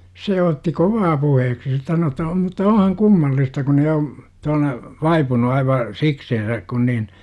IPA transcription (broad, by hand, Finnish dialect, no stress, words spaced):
se otːi koʋɑː puheːksi se sɑno etːæ o mutːɑ ohɑŋ kumːɑlːistɑ kun jo t on ʋɑipunu ɑiʋɑ sikseːnsæk kun nin